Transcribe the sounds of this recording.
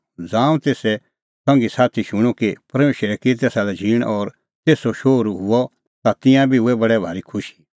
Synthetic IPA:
d͡zãːũt̪eːsɛ | sɐ̃ŋɡisaːt̪ʰiʃʊɽ̃ɔkipɐɾmeːʃɾɛket̪̬esalɛd͡ʒʱiːɽ̃ʔɔːɾ | t̪eːsɔʃoːɾɦʊɔ | t̪at̪ɪ̃jãbʱiʊɛbɐɽɛbʱaːɾikʰʊʃi̥

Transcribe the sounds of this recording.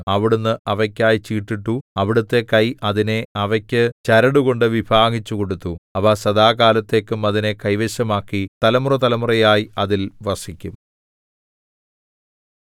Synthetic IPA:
ɐʋiɽunːɨʔɐʋɐkʲːaːjit͡ɕiːʈːiʈːuɐʋiɽut̪ːe̞kɐjʔɐðineɐʋɐkʲːɨt͡ɕɐɾɐɽuɣo̞ɳɖɨʋibʱaːɡit͡ɕːuko̞ɽut̪ːuɐʋaːsɐd̪aːkaːlɐt̪ːe̞ːkːɨmɐðinekɐjʋeɕɐmaːkːit̪ɐlɐmurɐt̪ɐlɐmurɐjaːjiɐðilʋɐʂikʲːum

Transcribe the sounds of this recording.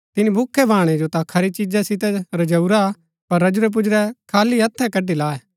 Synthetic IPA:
t̪ɪnibʱʊkʰːɛbʱaːɽ̃ed͡ʒot̪ãkʰɐɾit͡ʃid͡ʒɛsɪt̪ɛɾɐd͡ʒɐuɾa | pɐɾːɐd͡ʒʊɾɛp̬ʊd͡ʒɾɛkʰaːliɐt̪ʰːɛ̃kɐɖilaːɛ

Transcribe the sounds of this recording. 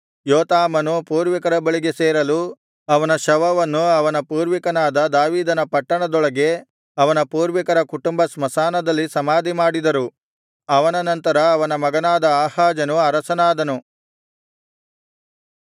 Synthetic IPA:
joːt̪aːmɐnupuːɾʋikɐɾɐbɐɭiɡe̞seːɾɐlu | ɐʋɐnɐʃɐʋɐʋɐnːuɐʋɐnɐpuːɾʋikɐnaːd̪ɐd̪aːʋiːd̪ɐnɐpɐʈːɐɳɐd̪ɔɭɐɡe̞ | ɐʋɐnɐpuːɾʋikɐɾɐkuʈumbɐsmɐsaːnɐd̪ɐlːisɐmaːd̪ʱimaːɽid̪ɐɾu | ɐʋɐnɐnɐnt̪ɐɾɐːʋɐnɐmɐɡɐnaːd̪ɐaːhaːd͡ʒɐnuɐɾɐsɐnaːd̪ɐnu

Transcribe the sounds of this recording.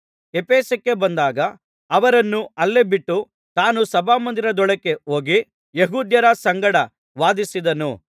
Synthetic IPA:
epeːsɐkːebɐnd̪aːɡɐ | ɐʋɐɾɐnːuɐlːebiʈːu | t̪aːnusɐbaːmɐnd̪iɾɐd̪ɔɭɐkːe̞o̞ːɡi | jeɦuːd̪jɐɾɐsɐŋɡɐɽɐ | ʋaːd̪isid̪ɐnu

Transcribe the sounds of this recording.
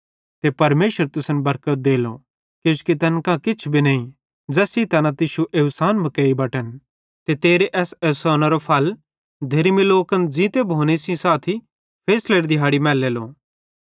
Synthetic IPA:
t̪epɐɾmeːʃəɾt̪ʊsənbɐɾkət̪̚d̪eːlo̰ | koʃkit̪ɐnkãkɪt͡ʃʰbʱinɐːĩ | d͡zɛːsit̪ɐnãt̪ɪʃuʔeʊsaːnbɐ̃keːibɐʈən | t̪et̪eːɾeʔɛːsɛsɔːnaɾopʰɐl | d̪ʱeɾmiloːkənd͡zĩt̪ebʱoːnesĩsaːt̪ʰi | pʰeːsleːɾd̪ɪɦaːɽimɛːleːloː

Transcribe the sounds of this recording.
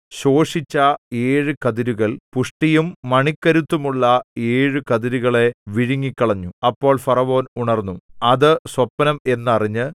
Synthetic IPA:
ɕo̞ːʂit͡ɕːɐe̞ːɻɨkɐðiɾuɣɐɭpuʂʈijumːɐɳikːɐɾut̪ːumuɭːɐe̞ːɻɨkɐðiɾuɣɐɭe̞ʋiɻiŋːikʲːɐɭɐɲːuɐpːo̞ːɭfɐrɐʋo̞ːnuɳɐrnːuɐðɨswɐpːɐnɐme̞nːɐriɲːɨ

